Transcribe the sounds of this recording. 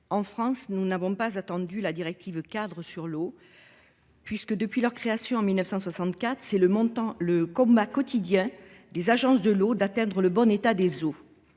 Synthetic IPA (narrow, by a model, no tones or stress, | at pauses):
ɑ̃fχɑ̃snunavɔ̃pazat̪ɑ̃d̪ylad̪iʁɛk̚t̪ʰivkad̪ʁəsyʁlo | pɥiskəd̪əpɥilœʁkχeasjɔ̃ɑ̃milnəfsɑ̃swasɑ̃t̪kat̪χəsɛləmɔ̃t̪ɑ̃ləkɔ̃bakɔt̪id̪jɛ̃ | d̪ezaʒɑ̃sd̪əlod̪at̪ɛ̃d̪ʁələbɔnet̪ad̪ezo